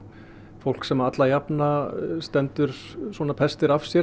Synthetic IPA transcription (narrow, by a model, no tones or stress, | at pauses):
fowl̥ksɛmaat̪lajapnast̪ɛnt̪ʏɾswɔnapʰɛst̪ɪɾafsjɛ